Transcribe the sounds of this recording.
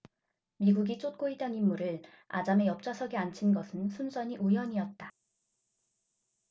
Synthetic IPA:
miɡuɡit͡ɕ͈ʰot̚k͈oit͈ʌnimːuɾɯɭ | a̰d͡ʑame̞jʌp̚t͡ɕ͈asʰʌɡeant͡ɕʰinɡʌsʰɯnsʰunsʌɲiʔujʌɲiʌt̚t͈a

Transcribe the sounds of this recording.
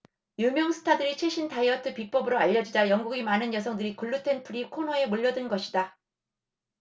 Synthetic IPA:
jumjʌŋsʰɯ̥tʰadɯɾit͡ɕʰwe̞ɕʰintaiʌtʰɯpik̚p͈ʌbɯɾoaʎːʌd͡ʑid͡ʑajʌŋɡuɡimanɯnjʌsʰʌŋdɯɾikɯɭːutʰe̞npʰuɾikʰonɦʌe̞moʎːʌdɯnɡʌɕʰida

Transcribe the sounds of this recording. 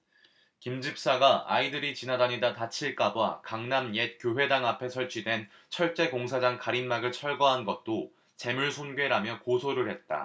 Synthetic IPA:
kimd͡ʑip̚s͈aɡaa̰idɯɾit͡ɕinadaɲidatat͡ɕʰiɭk͈abwakaŋnamjet̚k͈joɦwe̞daŋapʰe̞sʰʌɭt͡ɕʰidwe̞n | t͡ɕʰʌɭt͡ɕ͈e̞koŋsʰad͡ʑaŋkaɾinmaɡɯɭt͡ɕʰʌɭɡʌɦanɡʌt̚t͈o | t͡ɕe̞muɭsʰonɡɥe̞ɾamjʌkosʰoɾɯɭhe̞t̚t͈a̰

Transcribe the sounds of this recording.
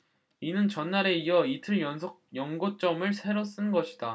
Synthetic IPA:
inɯnt͡ɕʌnːaɾe̞iʌitʰɯɭjʌnsʰojʌŋɡot͡ɕ͈ʌmɯɭsʰe̞ɾos͈ɯnɡʌɕʰid̥a

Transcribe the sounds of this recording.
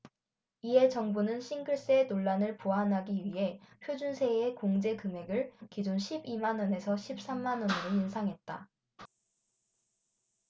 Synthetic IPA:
iɦe̞t͡ɕʌŋbunɯnɕʰiŋɡɯɭs͈enoɭːanɯɭpuɦanɦaɡiɥiɦe̞ɸjod͡ʑunsʰe̞ekoŋd͡ʑe̞kɯme̞ɡɯɭkid͡ʑonɕʰibimanʌne̞sʰʌɕʰip̚s͈amːanʌnɯɾoinsʰaŋɦe̞t̚t͈a

